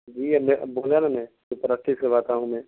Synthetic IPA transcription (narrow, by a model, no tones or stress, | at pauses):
d͡ʒiːmɛ̃boːlaːnamɛ̃ː | upɾaːk̚ʈiskeʋaːt̪aːɦũmɛ̃ː